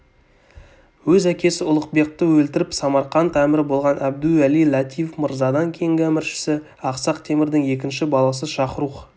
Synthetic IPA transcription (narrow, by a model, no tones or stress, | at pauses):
wɵzækʲe̞sɪʊlˠəqbe̞q̚t̪əwɵlt̪ɪɾɪpsɑmɑɾqɑnt̪ʰæmɪɾɪbo̞lˠʁɑnʔæb̚d̪ʉælijlˠɑt̪ʰijefməɾzɑd̪ɑŋkʲʰejɪŋɡʲæmɪɾʃɪ̥sɪ | ɑqsɑqt̪ʰe̞mɪɾd̪ɪŋje̞k̬ʲɪnʃɪbɑlˠɑsəʃɑqəɾuq